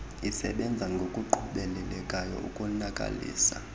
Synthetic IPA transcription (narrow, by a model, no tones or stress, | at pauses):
isɛ̰ɓɛnd͡zʱaŋɡʱokʼuǃʰuɓɛlɛlɛkʼajɔ̰ʔukʼunakʼa̰lḭːsa